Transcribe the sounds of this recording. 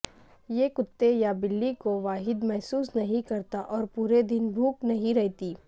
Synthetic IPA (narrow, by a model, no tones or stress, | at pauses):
jekʊt̪ːejabɪlːikoʋaːɦɪd̪mɛɦsuːsnɐɦĩkɐɾt̪aʔɔːɾpuːɾed̪ɪnbʱuːknɐɦĩɾɛɦt̪iː